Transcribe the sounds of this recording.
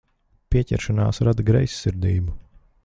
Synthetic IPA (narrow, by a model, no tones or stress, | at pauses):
piɛcʲɛ̰ɾʃanaːsɾad̪ɡɾɛjsːiɾd̪iːbu